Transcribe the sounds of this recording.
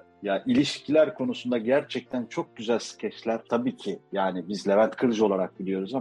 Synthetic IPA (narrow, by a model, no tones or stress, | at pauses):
jaʔilʲiʃcʰilʲæɾkʰo̞nusund̪aɟæɾt͡ʃʰɛc̚t̪ʰænt͡ʃʰo̞k̚ɟyzælʲsɯ̥cʰɛt͡ʃlʲæɾ̥t̪ʰabiːcʰijaːnibizlʲe̞vænt̪kʰɯɾd͡ʒo̞lˠaɾak̚bilʲijo̞ɾuza